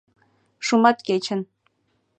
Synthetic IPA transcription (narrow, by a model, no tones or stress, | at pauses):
ʂumɑt̪kʲet͡ɕɘ̆n